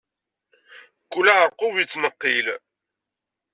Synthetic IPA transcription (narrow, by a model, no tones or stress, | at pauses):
kːulæʁəɾqovit͡sːnəqːil